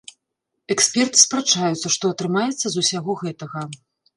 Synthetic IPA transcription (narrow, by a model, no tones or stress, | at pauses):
ɛksʲpʲɛrt̪ɨ̥spɾat͡ʂajut̪sːɐʂt̪ɔɐt̪ɾɨmajɛt̪sːɐzusʲaɣɔɣɛt̪ɐɣɐ